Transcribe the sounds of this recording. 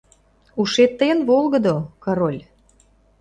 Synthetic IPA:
uʃet̪ːəjənβolˠɣə̆d̪okɑɾolʲ

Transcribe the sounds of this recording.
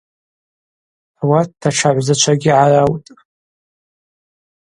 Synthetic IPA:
awatːaʈ͡ʂʰaʕʷzat͡ʃʷʰaɡʲiʕarawtʼ

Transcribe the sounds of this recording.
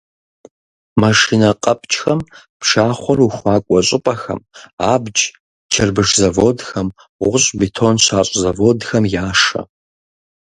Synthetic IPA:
mɐʂinɐqʼɐpʼt͡ʃʼxɐm | pʂaːχʷɔruxʷɑːkʷʼɔɕʼɪpʼɐxɐ̰maːbd͡ʒ | t͡ʃʰɐrbɨʂzɐvoːdxɐm | ʁʷʊɕʼbitʰoːnɕaːɕʼzɐvoːdxɐmjaːʂɐ̰

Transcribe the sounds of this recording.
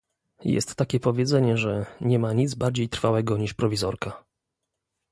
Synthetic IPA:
jɛ̰st̪ːakʲɛpɔvʲjɛd̪zɛɲɛʐɛɲɛmaɲid̪zbaɾd͡ʑejt̪ɾfawɛɡɔɲiʂpɾɔvʲizɔɾka

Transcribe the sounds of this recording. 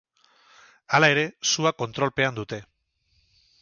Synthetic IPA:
alae̞ɾe̞suako̞nt̪ɾo̞lpe̞and̪ut̪e̞

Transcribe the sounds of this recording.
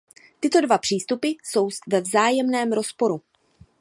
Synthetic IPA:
t̪ɪt̪o̞dvapr̝̥iːst̪upɪso̞wsvɛvzaːjɛmnɛːmɾo̞spo̞ɾu

